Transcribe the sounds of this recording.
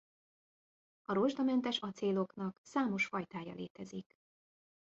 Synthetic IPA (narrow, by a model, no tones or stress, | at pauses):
ɒɾoʒd̪ɒmɛnt̪ɛʃɒt̪seːlo̞knɒksaːmo̞ʃfɒjt̪aːjɒ̰lḛːt̪ɛzik